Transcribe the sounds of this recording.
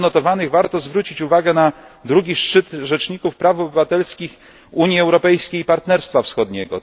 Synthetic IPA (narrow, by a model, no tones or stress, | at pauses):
nɔt̪ɔvanɘɣvaɾt̪ɔzvɾut͡ɕit͡ɕuvaɡɛnad̪ɾuɡʲiʂt͡ʂɘt̪ʐɛt͡ʂɲikufpɾafɔbɘvat̪ɛlskʲix | uɲjiɛwɾɔpɛjskʲeipaɾt̪nɛɾst̪fafsxɔd̪ɲɛɡɔ̰